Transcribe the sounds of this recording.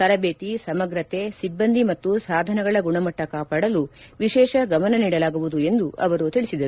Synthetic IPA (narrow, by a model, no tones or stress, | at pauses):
tɐɾɐbeːt̪isɐmɐɡɾɐt̪esibːɐnd̪ʱimɐt̪ːusaːd̪ʱɐnɐɡɐɭɐɡuɳɐmɐʈːɐkaːpaːɽɐlu | ʋiʃɛːʃɐɡɐmɐnɐniːɽɐlaːɡuʋud̪ue̞nd̪uʔɐʋɐɾut̪iɭisid̪ɐɾu